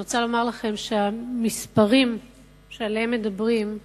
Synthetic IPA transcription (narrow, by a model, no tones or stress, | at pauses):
ot͡salo̞maʁlaχe̞mʃeamispaʁim | ʃealeemːed̪abʁim